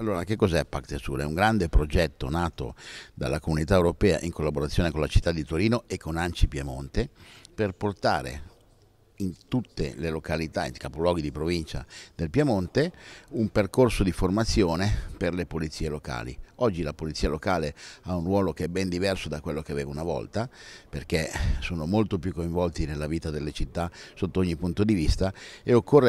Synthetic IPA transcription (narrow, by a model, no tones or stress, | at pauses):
alːoːɾak̟ekːɔzɛpːakt̪esṵːɾɛ̰uŋɡɾand̪epɾod͡ʒɛt̪ːonaːt̪o̰d̪a̰lːakomunit̪aewɾopɛːa̰ʔiŋkolːaboɾat̪sːjoːnekonlat͡ʃi̥t̪ːad̪ːit̪oɾiːnoekʰːonant͡ʃipjamont̪eperport̪a̰ːɾḛ | int̪ut̪ːḛlelokalit̪aḭŋkapolwɔːɡid̪ipɾovint͡ʃa̰d̪elpjamont̪eumperkorsod̪iformat̪sːjoːneperlepolit̪siːeloka̰ːlḭɔd͡ʒːilapolit̪siːalokaːleaunrwɔːlokeɛbːɛnd̪ivɛrsod̪akwelːok̟evɛːvunavɔ̰lt̪aperkesoːnomolt̪opjukːoiɱvɔlt̪inelːaviːt̪ad̪elːet͡ʃit̪ːasot̪ːooɲːipunt̪od̪ivist̪aeokʰːorːe